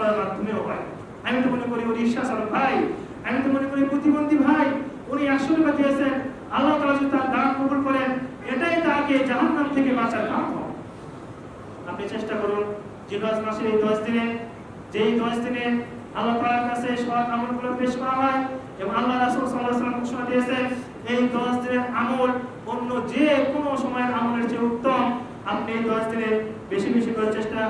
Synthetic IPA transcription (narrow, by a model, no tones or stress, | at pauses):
amad̪ʱomeobaj | amit̪ɔmonekɔɾioniiʃːasaɾɔbʱaj | amit̪ɔmonekɔɾipɾot̪ibond̪ʱibʱaj | uniasunkat̪ʰiasen | ɐlːat̪alad͡ʒut̪aɾd̪ankobulkɔɾen | eʈaɦit̪aaked͡ʒaɦanːamt̪ʰekebat͡ʃaɾɡamtɔ̰ | apnit͡ʃeʃʈakɔɾun | d͡ʒed̪ɔd͡ʒmaseɾejd̪ɔsd̪ine | d͡ʑejd̪ɔʃd̪ineɾ | alakaɾaɾkat͡ɕʰeeʃɔbaamolɡulofʰeʃkɔwaɦɔe | ebõŋalːaɾasulsalːasalamkoʃomad̪ijet͡ɕʰen | ejd̪ɔʃd̪ineɾamol | onːod͡ʑekonoʃɔmɔeamoleɾt͡ɕeut̪ːom | apniejd̪ɔʃd̪ineɾbeʃibeʃikɔɾt͡ɕeʃʈa